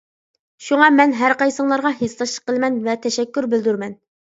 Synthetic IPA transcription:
ʃuŋɑmɛnɦæɾqɑjsəŋlˠɑɾʁɑɦeslɑʃˠə̥qːəlˠmɛnvɛt̪ʰɛʃɛkʲːyɾbɪld̪yɾmɛn

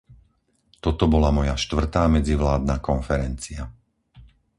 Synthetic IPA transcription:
t̪ɔt̪ɔbɔlamɔjaʃt̪ʋr̩t̪aːmɛd͡ziʋlaːd̪nakɔnfɛɾɛnt͡sia

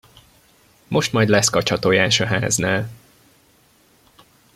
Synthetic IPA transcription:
mʔo̞ʃt̪mɒjd̪lɛskɒt͡ʃɒt̪ojaːʃɒɦaːznaːl

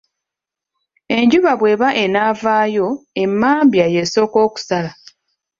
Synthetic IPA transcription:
e̞ɲɟuβaβwe̞ːβaʔe̞naːvaːjo̞e̞mːaːmbjaje̞so̞ːko̞ːku̥sala

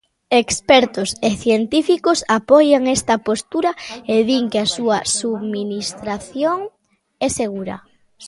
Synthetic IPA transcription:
ekspɛɾt̪ʊseθjent̪ifikʊsapɔjaŋɛst̪ɐpost̪uɾɐeðiŋkeasuɐsuðminist̪ɾaθjoŋ | ɛseɣ̞uɾɐ̰

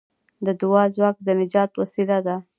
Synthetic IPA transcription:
d̪əd̪ʊwɑzwɑk̚d̪ənɪd͡ʒɑt̪wasilad̪a

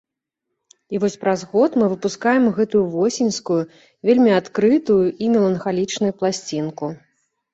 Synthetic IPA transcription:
ivɔsʲpɾazɣɔt̪mɨvɨpuskajɛmɣɛt̪ujuvɔsʲinʲskuju | vʲelʲmʲiat̪kɾɨt̪ujuʔimʲɛlˠɐnxalʲit͡ʂnujuplˠasʲt͡sʲinku

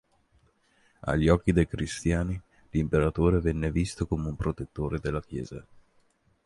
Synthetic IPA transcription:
a̰ʎːiɔkːid̪ejkɾist̪jaːni | limpeɾat̪oːɾevɛnːevist̪okomeumpɾot̪et̪ːoːɾed̪elːak̟jɛ̰ːza̰

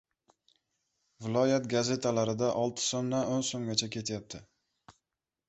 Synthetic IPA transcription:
vɪlˠɒjat̪ɡaze̞t̪ʰalaɾɪd̪aʔɒlˠt̪ʰɪ̥sonːaonsoŋɡʲat͡ʃʰakʲʰe̞t̪ʰjap̚t̪ʰɪ

